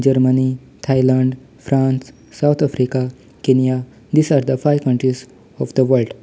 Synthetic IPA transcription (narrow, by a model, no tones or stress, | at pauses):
d͡ʒəɾməni | t̪ʰajlãɳɖ | fɾãnsː | awt̪ʰafɾika | kenija | d̪iːsaɾd̪əfajʋkə̃ɳʈɾiz | ɔfd̪əʋəɾlɖ